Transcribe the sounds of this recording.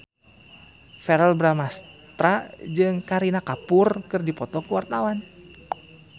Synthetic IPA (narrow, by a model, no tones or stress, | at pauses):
fɛɾɛlbɾamast̪ɾad͡ʒɨŋkaɾinakapʊrkɨrdipɔt̪ɔkuwart̪awan